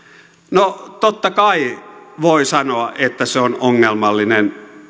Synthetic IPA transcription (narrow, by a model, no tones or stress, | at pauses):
not̪ot̪ːɑkɑiʋoisɑnoɑʔʔet̪ːæseonoŋːelmɑlːinen